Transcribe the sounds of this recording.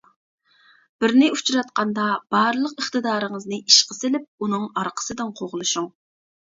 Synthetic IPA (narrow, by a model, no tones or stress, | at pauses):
b̥ɪɾnɪut͡ʃʰɾɑt̪̚qɑnd̪ɑb̥ɑɾlˠəqəχt̪ɨd̪ɑːɾɨŋəznɨiʃqəsɪlɪp̚unɨŋɑɾqʰə̥sɨd̪ɨnqʰoʁlˠuʃuŋ